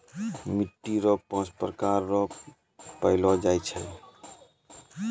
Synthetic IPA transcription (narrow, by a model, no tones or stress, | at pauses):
miʈːiɾɔk̚pɔ̃t͡ʃpɾkaɾːɔ | pəɪlɔd͡ʒajt͡ʃʰɛ̰